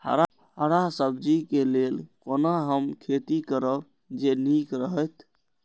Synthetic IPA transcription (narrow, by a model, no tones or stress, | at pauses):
hə̰ɾa | ɦəɾasəbd͡ʒikelelkonaɦəmkʰet̪ikəɾəb | d͡ʒenikɾəɦət̪ʰ